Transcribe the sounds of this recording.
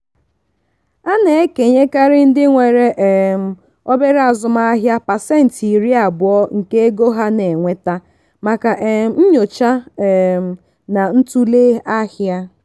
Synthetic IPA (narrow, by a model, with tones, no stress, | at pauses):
a˦ne˨e˦ke˨ɲe˦ka˦ɾɪ˦n̩˦dɪ˦ŋʷe˨ɾe˦ʔe˨m̩˨ | ɔ˦be˦ɾa˨zʊ˨ma˦a˦ɦja˦pa˨sɛ˦˨n̩˨ti˨ɾi˦a˨bʊ˨ɔ˦ŋ̩˨ke˦e˦ɡo˦ɦa˦ne˨ŋʷe˦ta˦ | ma˨ka˨ʔn̩˦ɲo˨t͡ʃa˦˨m˨ | na˨n̩˦tu˦le˦a˦hja˦